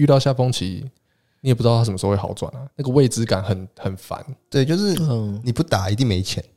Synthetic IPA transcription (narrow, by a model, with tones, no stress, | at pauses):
y˥˧t̪ɑ˥˧ɕja˥˩fɔ˥ŋt͡ɕʰi˨˦ | ni˨˦˨pu˥˩˧a˥ʂm̩˨˧˥wɑ̰˨˧˥ʊt͡swa̰˨˩˦na˨˩na˥˩ɡə˩we˥˩ɪt͡sɹ̩˦ka˨˩nxə˨˩nxə˨˩nfa̰˧˦nt̪we˥˨ɪt͡ɕjo˥˧ʊʂɻ̩˥˨˧ni˨˩pu˥˩t̪a˨˩˦i˧t̪̬i˥˩ŋme˧˥ɪt͡ɕʰjɛ˧˦n